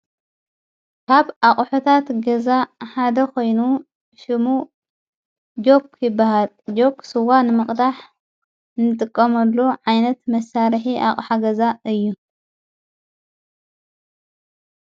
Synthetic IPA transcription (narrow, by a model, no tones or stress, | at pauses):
kʰaβʔaχʼħut̪ʰat̪ɡɐzaħad̪ɐkʰo̞jnu | ʃɨmu | d͡ʒo̞pʰjɪbːahal | d͡ʒo̞ksɨwanɨmɨχʼd̪aħ | nɨt̪ʼɨkʼːɐmɐlːoʕajnɐt̪mɐsaɾħiʔa̰χʼħaɡɐzaɨjːu